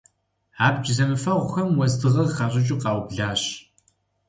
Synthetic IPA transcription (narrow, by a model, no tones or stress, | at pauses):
aːp̚t͡ʃʼzɐmɨfɐʁʷʊxɐmwɐzdɨʁɐxɑɕʼɪt͡ʃʼɪqɑːwbɮaːɕ